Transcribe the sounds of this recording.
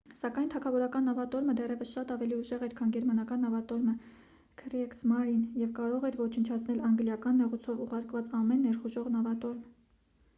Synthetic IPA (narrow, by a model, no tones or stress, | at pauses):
sɑkɑjnt̪ʰɑkʰɑvɔɾɑkɑnːɑvɑt̪ɔɾməd̪ɛrɛvəsʃɑt̪ɑvɛliuʒɛʁɛɾkʰɑnɡɛɾmɑnɑkɑnːɑvɑt̪ɔɾmə | kʰɾɛksmɑɾinjɛvkɑɾɔʁɛɾvɔt͡ʃʰənt͡ʃʰɑtt͡sʰnɛlɑŋɡljɑkɑnmɛʁut͡sʰɔvuʁɑɾkvɑt͡sɑmɛnːɛɾχuʒɔʁnɑvɑt̪ɔɾm